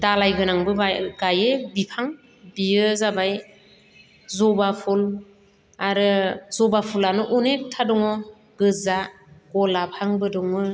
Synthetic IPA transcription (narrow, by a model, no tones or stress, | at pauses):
dalajɡɯnaŋbɯɡajebipʰaŋ | bijɯzabaj | zɔbapʰul | aɾɯzɔbapʰulanɔʔunek̚tʰadɔŋɔ | ɡ̥ɯza | ɡ̥ɔlapʰaŋbɯdɔŋɯ